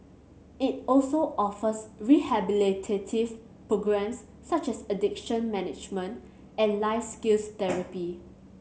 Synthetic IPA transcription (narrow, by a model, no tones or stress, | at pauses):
it̚ɔlsoʔɔfəsɹihɛbilitʰetʰiv | pɹoɡɹɛ̃msː | at͡ʃɛsədɪkʃə̃nmɛnɪd͡ʒmə̃nt | ɛ̃nlaɪfskilst̪ɛɹəpi